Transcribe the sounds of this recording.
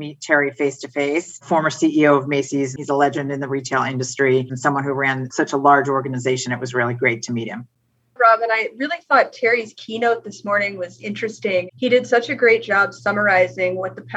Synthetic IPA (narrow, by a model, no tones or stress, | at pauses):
mittʰɛɹifeɪstʰɨfeɪsfɔɹmə˞siʔioʊʌvmeɪsizizəlɛd͡ʒɨ̃ndɨ̃nðɨɹitʰeɪlˠɪ̃ndɨstɹ̥insʌ̃mwʌ̃nhuɹæ̃nsʌt͡ʃəlɑɹd͡ʒɔɹɡɨnɨzeɪʃɨ̃nɨʔ̚wʌzɹɪlˠiɡɹeɪtʰɨmit̚hɨ̃m | ɹɑbɨ̃naɪɹɪlˠiθɔtʰɛɹiz̥kʰinoʊt̪̚ðɪsmɔɹnɪ̃ŋwʌzɪ̃nt͡ʃɹ̥ɨstɪ̃ŋiɾɨdsʌt͡ʃɨɡɹeɪt̚d̥ʒ̥ɑbsʌmə˞aɪzɪ̃ŋwʌt̪̚ðəpʰ